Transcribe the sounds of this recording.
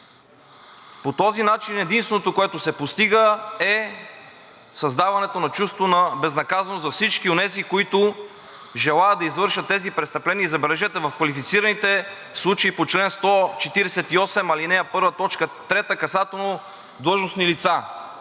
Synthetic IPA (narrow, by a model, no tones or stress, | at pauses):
pot̪ɔzinat͡ʃinɛd̪inst̪vɛnot̪okoɛt̪ʊsɛpost̪iɡəɛ | sɐzd̪avɐnɛt̪onɐt͡ʃust̪vonɐbɛznɐkazɐnozɐfsit͡ʃkionɛzikoit̪ʊ | ʒɛlˠajəd̪ɐizvɤɾʃət̪ːɛzipɾɛt̪st̪ɐplɛniəizɐbɛlɛʒɛt̪ɛvɐfkvɐlifit̪siɾɐnit̪ɛ | slˠut͡ʃeipot͡ʃlɛnst̪ɔt͡ʃɛt̪iɾɛsɛt̪iɔsɛmɐlinɛjɐpɤɾvɐt̪ɔt͡ʃkət̪ɾɛt̪əkɐsat̪ɛlˠno | d̪lˠɤʒnosnilit̪sa